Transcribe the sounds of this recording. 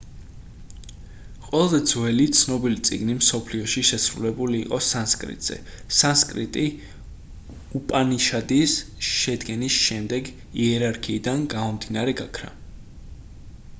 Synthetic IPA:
qʼwɛlˠazɛd̪zwɛlit̪sʰnɔbilit̪sʼḭɡnimsɔpʰliɔʃiʃɛsɾulɛbuliːqʼɔsanskʼɾḭt̪ʼz̥ɛ̰ | sanskʼɾḭt̪ʼi | upʼaniʃad̪isʃɛd̪ɡɛnisʃɛmd̪ɛɡ | iɛɾaɾkʰiːd̪anɡamɔmd̪inaɾɛɡakʰɾa̰

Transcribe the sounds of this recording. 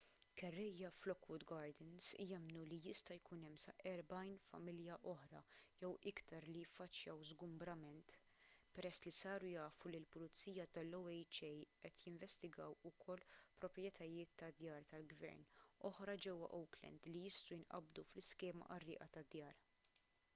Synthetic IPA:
kɛrːɛjːɐflɔkwʊd̪ɡɐːɾd̪ɛnsjɛmnulijɪst̪ɐjkunɛmːsɐ̰ʔɛɾbɐjnfɐ̰mɪljɐʔɔħɾɐ̰jɛwɪkt̪ɐɾlijɪfːɐt͡ʃːjɐwzɡʊmbɾɐmɛnt̪ | pɛɾɛsːlisɐːɾujɐːfulilpʊlʊt͡sːiːjɐt̪ɐlːowɛjt͡ʃɛjʔɛt̪jɪɱvɛst̪ɪɡɐwʊkʰɔlːpɾɔpɾjɛt̪ɐjɪːt̪ːɐd̪jɐːɾt̪ɐlɡvɛ̰ɾnɔħɾɐd͡ʒɛwːɐ̰ʔɔwklɛ̰nd̪lijɪst̪ujɪnʔɐ̰bd̪uflɪskɛːmɐ̰ʔɐrːɪ̰ːʔɐt̪ɐd̪jɐːɾ

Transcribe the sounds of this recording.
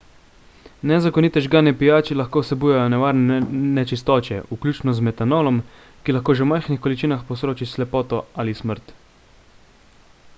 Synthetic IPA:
nɛzakɔniːt̪ɛʒɡaːnɛpijaːt͡ʃilaxkoːwsɛbuːjajɔnɛʋaːɾnnɛt͡ʃist̪ɔːt͡ʃjɛʔuklʲuːt͡ʃnɔzmɛt̪anoːlɔm | kilaxkoːʒɛwmajxnixkɔlit͡ʃiːnaxpɔsɾoːt͡ʃislɛpɔːt̪ɔalisməɾt̪

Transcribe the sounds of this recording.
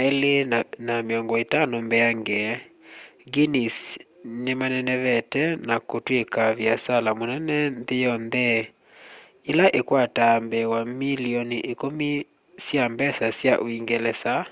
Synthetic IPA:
naelenameɔŋɡɔetanombɛaŋɡɛ | ɡinis | nemanɛnɛβɛtɛnakotwekavjasalamonɛnɛndejɔndɛ | elaʔekwatambɛwamiliɔniʔekomi | sjambɛsasjaʔoiŋɡɛlɛsa

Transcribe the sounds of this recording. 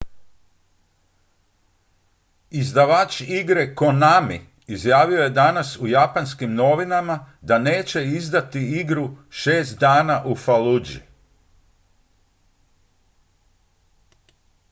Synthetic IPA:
izd̪aʋaːt͡ʃiɡɾe̞ko̞nami | izjaːʋio̞je̞d̪anasujapanskimno̞ʋinamad̪ane̞ːt͡ɕe̞izd̪at̪iiɡɾuʃe̞ːst̪̚d̪aːnaʔufalud͡ʒḭ

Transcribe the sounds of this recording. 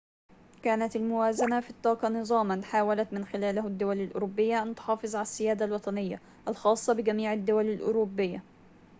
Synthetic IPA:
kaːnat̪almʊwaːzanafit̪ˤːɑːqɑnɨzˤɑːmanħaːwalat̪mɪnxɪlaːlɦʊd̪ːʊwalalʔʊ̰ɾʊbːɪjːaʔant̪ʊ̥ħɑːfɨzˤʕalasːɪjaːd̪alwɑt̪ˤɑnɪjːa̰ | ʔalxɑːsˤːɑbɪɡamiːʕad̪ːʊwalalʔʊ̰ɾʊbːɪjːa

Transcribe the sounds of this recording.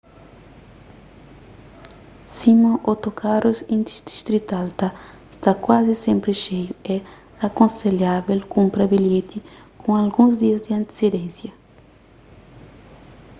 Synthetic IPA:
simɐ̃ʔot̪okʰaɾuzĩnd̪iʃd̪i̥ʃt̪ɾit̪alt̪ɐ | st̪akwazisẽmpɾɪʃejʊɛ | akõnseljavelkũmpɾɐbilet̪i | kʰõalɡũzd̪iɐzd̪ɪɐ̃nt̪e̥sed̪ẽnsjɐ

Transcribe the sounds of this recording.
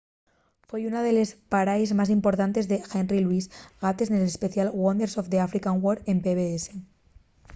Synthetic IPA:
fwejunað̞e̞le̞spaɾajzmas̬impo̞ɾt̪ant̪e̞zðexenriluizɣat̪eznele̞spe̞θjalɣwond̪eɾsofðeafɾikaŋwoɾe̞mpeβeese̞

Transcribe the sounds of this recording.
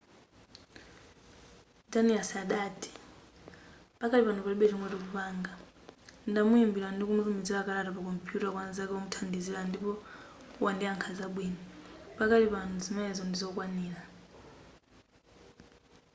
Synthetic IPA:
daniasaɗatʰi̥ | pakalipantʰupaliɓɛtiŋwɛtɔk̬upaŋɡa | ndamuimbilandikumutumid͡zilakalatapakɔmpʰijutakwanazakɛɔmutʰandizilandipɔwʔandiaŋkʰazaɓwinipakalipanuzimɛzɔndizɔkwaniːla

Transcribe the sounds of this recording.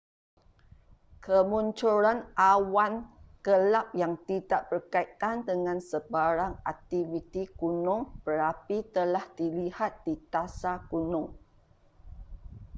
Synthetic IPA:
kʰəmunt͡ʃuɾanʔawankəlap̚jaŋt̪idaʔbərkait̪̚kandəŋãnsəbaɾaŋak̚t̪ivit̪ikunʊ̃ŋb̥əɾapit̪əlahdilihat̪̚dit̪asakunʊ̃ŋ

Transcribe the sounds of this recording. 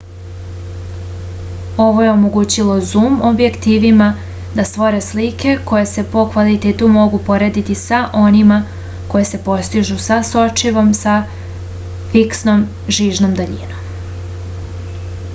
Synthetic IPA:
o̞ʋo̞je̞omo̞ɡuːt͡ɕilo̞zuːmobje̞kt̪iːʋima | d̪ast̪ʋo̞ɾe̞slike̞ko̞je̞se̞po̞kʋalit̪eːt̪umo̞ɡupo̞ɾe̞ːd̪it̪isaʔo̞nima | ko̞jese̞po̞st̪iʒusaso̞t͡ʃiʋo̞msa | fiksnom | ʒiːʒnomd̪aʎḭnom

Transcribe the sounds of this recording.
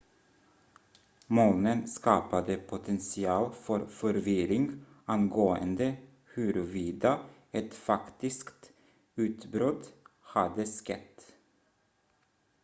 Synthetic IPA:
moːnənskɑːpad̪əpʰʊt̪ʰɛnsɪɑːlfɔɾfɔɾʋɪɾɪŋ | ɑnɡoːə̰nd̪ə | hʉɾʋiːd̪ɑ | ɛt̪fɑkt̪ɪskt̪ | ʉːt̪bɾɔt̪hɑd̪əskɛ̰t̪

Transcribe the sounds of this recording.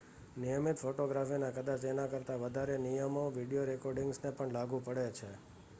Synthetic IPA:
nijəmit̪foʈoɡɾafinãkəd̪at͡ʃenãkəɾt̪aʋəd̪ʱaɾenijəmoʋiɖijoɾekoɾɖɪŋɡsnepəɳlaɡũpəɽet͡ʃʰe

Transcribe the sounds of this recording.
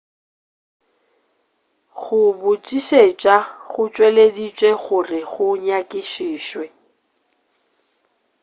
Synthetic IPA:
ɣʊbʊt͡ʃʼiʃet͡ʃʼaɣʊt͡ʃʼweledit͡ʃʼweɣʊrɪɣʊɲakʼɪʃiːʃwɛ

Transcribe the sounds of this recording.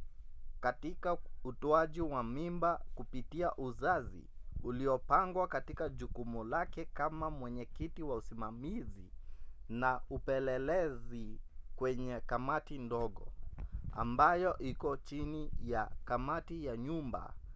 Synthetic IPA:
katikautɔaʄiwamimbakupitiaʔuzazḭuliɔpaŋɡwakatikaʄukumulakɛkamamwɛɲɛkitiwausimamizinaupɛlɛlɛzikwɛɲɛkamatindɔɠɔ̰a̰mbajɔʔikɔt͡ʃinijakamatijaɲumba̰

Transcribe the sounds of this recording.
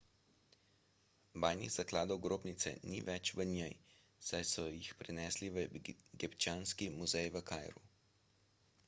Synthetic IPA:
bajniɣz̥aklaːd̪ɔwɡɾoːbnit̪sɛ̰niʋɛt͡ʃʋənjɛj | sajsɔjixpɾɛnɛːsliʋəɡipt͡ʃaːnskimuzɛjʋəkajɾu

